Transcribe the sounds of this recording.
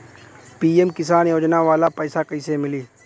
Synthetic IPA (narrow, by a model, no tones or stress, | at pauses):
piːemkɪsaːnjoːd͡ʒnaʋaːlapɛːsakəɪsemɪliː